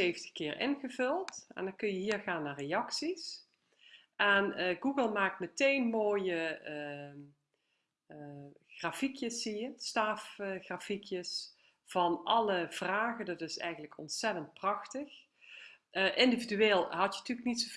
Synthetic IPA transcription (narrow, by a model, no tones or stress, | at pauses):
ejvəntə̥kɪːɹʔɪ̰nɣəvɵlˠtɛ̰ndɑnkɵnjəɦiːɹɣaːnːaːrejɑksis | ʔɛnɡuɡəlˠmaːk̚tmətejnmoːjə | xraːfikjəsːijəstaːfxrafikjəs | v̥ɑnʔɑləv̥raːɣədɑtɪsɛ̰jxənləkʰɔ̰ntsɛtənt̚prɑxtəx | ʔɪndividyeːlˠɦɑtjəntyːəknitsov